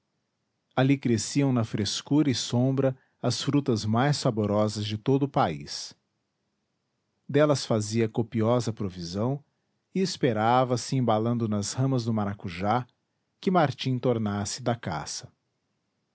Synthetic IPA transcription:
alikɾesiɐ̃w̃nɐfɾeskuɾɐɪsõbɾɐ | ɐsfɾut̪ɐzmajsːaboɾɔzɐzd͡ʒɪt̪od̪ʊpaḭs | d̪ɛlɐsfaziɐkopiɔzɐpɾovizɐ̃w̃ | ɪespeɾavɐsɪẽbalɐ̃nd̪ʊnɐshɐ̃mɐzd̪ʊmaɾakuʒa | kɪmaɾt͡ʃĩt̪oɾnasɪd̪ɐka̰sɐ̥

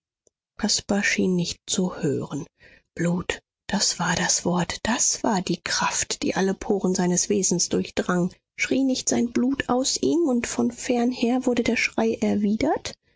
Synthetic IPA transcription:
kʰaspaʃiːnːɪçt̚t͡suhø̰ːʁən | b̥luːt | d̥asv̥aːɐdasv̥ɔɐtd̥asv̥aːɐdiːkʁ̥aftd̥ḭːʔaləpʰoːʁənzaɪnəsv̥eːzn̩sd̥ʊɐçd̥ʁaŋ | ʃʁ̥iːnɪçtz̥aɪnbluːtʰaʊsʔiːmʊntfɔnfɛɐnheːɐvʊɐdədeːɐʃʁ̥aɪʔɛɐviːdɐt

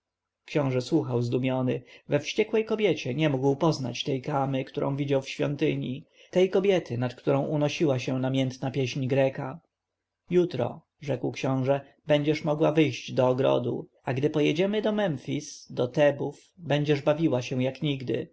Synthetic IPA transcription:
kɕɔ̃w̃ʐɛswuxawzd̪umʲjɔnɘvɛfɕt͡ɕɛkwɛjkɔbʲjɛt͡ɕɛɲɛmuɡwpɔzna̰t͡ɕt̪ɛjkamɘkt̪uɾʔɔ̰̃w̃vʲid͡ʑawfɕfʲjɔ̰nt̪ɘɲi | t̪ɛjkɔbʲjɛt̪ʰɘnat̪kt̪uɾɔ̃w̃ʔunɔɕiwaɕɛnamʲjɛnt̪napʲjɛɕɲɡɾɛka | jut̪ɾɔ̰ | ʐɛkwkɕɔ̃w̃ʐɛ | bɛɲd͡ʑɛʂmɔɡwavɘjɕd͡ʑd̪ɔːɡɾɔ̰d̪ṵ | aɡd̪ɘpɔjɛd͡ʑɛmɘd̪ɔmɛmfʲisd̪ɔt̪ɛbuf | bɛɲd͡ʑɛʐbavʲiwaɕɛ̃jakɲiɡd̪ɘ̰

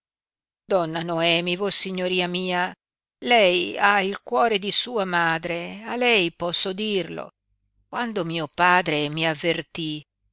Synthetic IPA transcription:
d̪ɔnːanoɛːmivosiɲːoɾiːamiːa | lɛjailkwɔːɾed̪isuːamaːd̪ɾealɛjpɔsːod̪irlo̰ | kwand̪omiːopaːd̪ɾemiavːert̪i

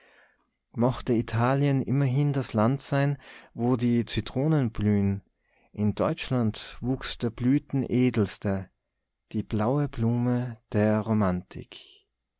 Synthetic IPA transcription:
mɔxtəitʰaːljənʔɪmɐɦɪndaslantz̥aɪnvoːdiːt͡sitʁ̥oːnənblyːn | ʔɪndɔʏt͡ʃlantvuːksd̥eːɐblyːtn̩ʔeːdl̩stɐ | d̥iːb̥laʊəbluːməd̥eːɐʁomantʰɪ̰k

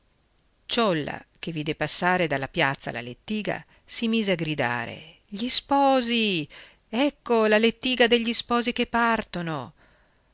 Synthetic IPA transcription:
t͡ʃɔlːa̰k̟evːiːd̪epasːaːɾed̪alːapjat̪sːa̰la̰let̪ːiːɡa̰ | simiːzeaɡɾid̪a̰ːɾḛ | ʎispɔːzi | ɛkːolalet̪ːiːɡad̪eʎːispɔːzikepːart̪ono

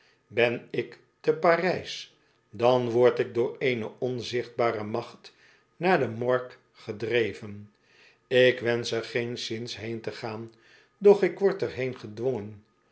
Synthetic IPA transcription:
bɛnɪk | təpaːrɛjs | dɑnʋɔɹtɪɡ̚dʊːɹejnəɔnzɪχd̚baːrəmɑχt | naːɹdəmɔɹk | χədrejvən | ɪkʋɛnsəɹχejnsɪnsɦejntəχaːn | dɔχɪkʋɔɹtəɹɦejnχədʋoŋən

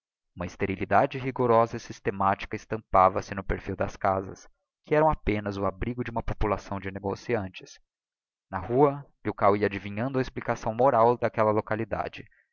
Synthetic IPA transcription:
ũmɐist̪eɾilid̪ad͡ʒɪɦiɡoɾɔzɐisist̪emat͡ʃi̥kɐɪst̪ɐ̃mpavɐsɪnʊpeɾfiwd̪ɐskazɐ̰s | kɪɛɾɐ̃w̃apẽnɐzʊabɾiɡʊd͡ʒɪũmɐpopulasɐ̃w̃d͡ʒɪneɡosiɐ̃nt͡ʃɪ̥s | nɐhuɐbiwkawiɐad͡ʒivĩɲɐ̃nd̪ʊɐesplikasɐ̃w̃moɾawd̪ɐkɛlɐlokalid̪a̰d͡ʒɪ

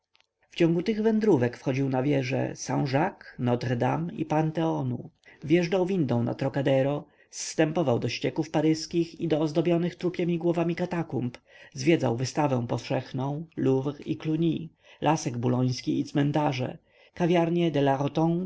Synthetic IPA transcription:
ft͡ɕɔ̃ŋɡut̪ɘɣvɛnd̪ɾuvɛkfxɔd͡ʑiwnavʲjɛʐɛ̰saw̃ʐaknɔt̪rd̪amḭpant̪ɛɔnṵ | vʲjɛʐdawvʲind̪ɔ̃w̃na̰t̪ɾɔkad̪ɛɾɔ | sːt̪ɛmpɔvawd̪ɔɕt͡ɕɛkufpaɾɘskʲixid̪ɔːzd̪ɔbʲjɔnɘxt̪ɾupʲjɛmʲiɡwɔvamʲikat̪akump | zvʲjɛd̪zawvɘst̪avɛ̃w̃pɔfʂɛxnɔ̃w̃luvikluɲi | lʔasɛɡbulɔj̃skʲiːt̪smɛnt̪aʐɛ̰ | kavʲjaɾɲɛd̪ɛlaʁɔt̪ɔ̃ŋ

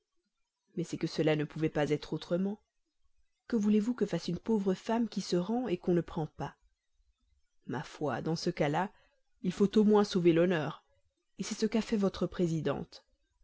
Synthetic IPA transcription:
mɛsɛkəsəlanəpuvɛpazɛt̪χot̪χəmɑ̃ | kəvulevukəfasynpovʁəfamkʲisəʁɑ̃ekɔ̃nəpχɑ̃pa | ma̰fwa̰d̪ɑ̃səkala | ilfot̪omwɛ̃sovelɔnœːʁ | esɛsəkafɛvɔt̪χəpχezid̪ɑ̰̃t̪

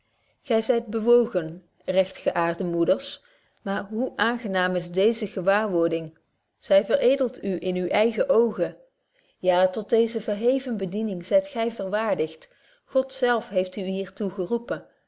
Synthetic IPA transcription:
χɛjzɛjd̚bəʋowχən | rɛxtχəʔaːrdəmudəɹs | maːɹɦuʔaːnχənaːmɪzdejzəɣəʋaːɹʋʊɹdɪŋ | z̥ɛjvərejdəlˠtʰyʔɪnyʔɛjχəʔowχə | jaːtɔd̚dejzəvəɹɦejvənbədinɪŋzɛjtχɛjvəɹʋaːɹdɪχt | χɔtsɛlˠfɦejftyɦiːɹtuχərupən

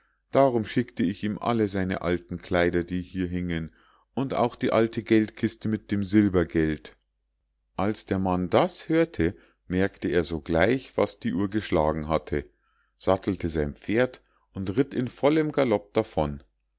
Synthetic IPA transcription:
d̥aːʁʊmʃɪktəɪçiːmʔa̰ləzaɪnə̰ʔa̰ltn̩kʰl̥aɪdɐdiːhiːɐɦɪŋən | ʊnta̰ʊxd̥iːʔaltʰəɡɛltkʰɪstəmɪt̚d̥eːmzɪlbɐɡɛlt | ʔalsd̥eːɐmandashøːɐtʰə | mɛɐktəeːɐzoːɡlaɪçv̥a̰sd̥iːʔuːɐɡəʃlaːɡŋ̩ɦatʰə | z̥atl̩təzaɪnpp͡feːɐt | ʔʊntʁɪtɪnfɔləmɡalɔp̚d̥afɔn

